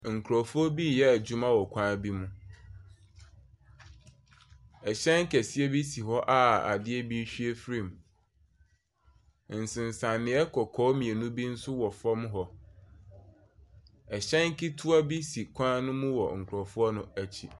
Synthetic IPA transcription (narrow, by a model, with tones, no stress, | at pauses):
ŋ̩˨kʰɾɔ˨fu˦ɔ˦bi˦˨jɛ˦æ˨d͡ʑũ˦mã˦wɔ˨kʷʰãː˦bi˦mũ˦ | ɛ˨ɕɛ̃˦ŋ˦kʰæ˨si˦e˦bi˦si˨ɦɔ˦ʔa˦a̰˨dɪ˦ɛ˦bi˦ɕᶣi˦e˦fɾĩ˨m˨ | n̩˨sɪ̃˨n˨sã˨nːɪ̃˨ɛ˦kʰɔ˨kʰɔː˨˦mĩ˨e˨nũ˦bi˦n̩˦sʊ˦wɔ˨fɔ˦mɦɔ˨ | ɛ˨ɕɛ̃˦ŋ˦ki˦tʰu˦a˦bi˦si˨kʷʰãː˦nʊ̃˦mũ˦wɔ˨ŋ̩˨kʰʊ˨ɾɔ˨fu˦ɔ˦nʊ̃˦æ˨t͡ɕʰi˦